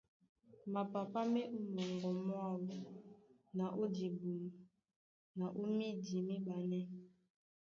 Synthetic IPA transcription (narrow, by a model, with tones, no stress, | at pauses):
ma˨pa˨pa˦mɛ˦mɔ˨ŋɡɔ˨mwa˦˨wu˦ | na˨ʔo˦di˨bu˨m˨ | na˨ʔo˦mi˦di˨mi˦ba˨nɛ˦